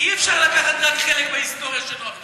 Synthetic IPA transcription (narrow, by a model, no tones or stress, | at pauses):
iefʃaʁlakaχat̪ʁakχelekbeist̪oʁjaʃonot̪